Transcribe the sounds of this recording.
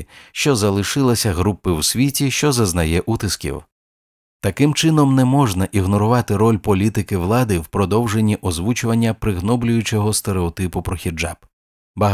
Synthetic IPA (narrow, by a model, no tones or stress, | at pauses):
ʃt͡ʃɔzɐlˠɪʃɪlˠɐsʲɐɦɾupːɪwsʲʋʲitʲiʃt͡ʃɔzɐznɐjɛʔut̪ɪskʲḭw | t̪ɐkɪmt͡ʃɪnɔmnɛmɔʒnɐʔiɦnɔɾʊʋɑt̪ɪɾɔlʲpɔlʲit̪ɪkɪʋlˠɑd̪ɪwpɾɔd̪ɔwʒenʲːiʔɔzʋut͡ʃʊʋɐnʲːɐpɾɪɦnɔblʲʊjʊt͡ʃɛɦɔst̪eɾeɔt̪ɪpʊpɾɔxʲid͡ʒa̰b | bɐɦ